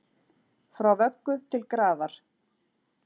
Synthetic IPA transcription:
fɾawvœkːʏt̪ʰɪlkɾaːvaɾ̥

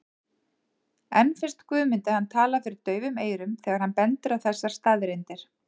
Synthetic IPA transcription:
ɛnfɪ̥st̪kvʏːmɪnt̪ɪhant̪ʰaːlafɪɾɪɾt̪œːɥvʏmeːjɾʏmθɛːɣaɾ̥hanpɛnt̪ʏɾawθɛsːaɾ̥st̪aːðɾɪnt̪ɪɾ̥

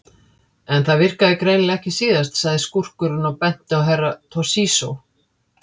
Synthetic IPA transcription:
ɛnθaðvɪr̥kaðɪkɾeːjnɪlɛhcɪsiːðast̪saɣðɪskur̥kʏɾʏnawpɛn̥t̪ɪawɦɛrːat̪ʰɔ̥siːso

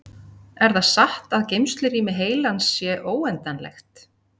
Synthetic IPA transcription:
ɛɾθasaht̪aðcejmst̪lʏɾiːmɪɦeːjlansːjɛʔoːwɛnt̪anlɛ̰xt̪

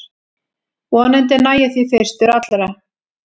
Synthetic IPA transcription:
vɔanɛnt̪̬ɛnaːjaθiθest̪ʏɾat̪lɾa

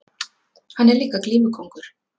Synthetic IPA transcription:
hanːɛɾliːkakliːmʏkʰɔwŋkʏɾ̥

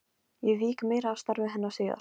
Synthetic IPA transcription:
jɛviːkmeːjɾaːwst̪aɾvɪɦɛnːḁseːða̰ɾ̥

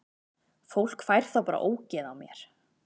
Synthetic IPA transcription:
fowl̥kfajɾ̥θawpaːɾa̰ʔoːwcɛðawmjɛɾ̥

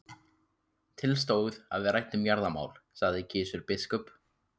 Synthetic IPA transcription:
t̪ʰɪlst̪oːwða̰ðvɪðɾajht̪ʏmjaɾðama̰ːwl̥saɣðɪcʰɪːsʏɾpɪskɔp

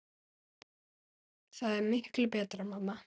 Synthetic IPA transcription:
θaðɛɾmɪhklʏpɛːt̪ɾamamːa

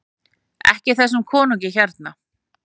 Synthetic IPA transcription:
ɛ̰hcɪθɛsːʏmkʰɔːnuɲcɪçɛɾt̪na

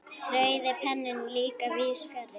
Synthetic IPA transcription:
rœɥðɪpʰɛnːɪnliːkavɪðsfɛɾɪ

